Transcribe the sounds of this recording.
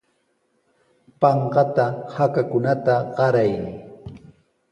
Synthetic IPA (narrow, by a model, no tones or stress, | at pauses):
pɑɴqɑt̪ahakakʊnat̪aɢɑɾaj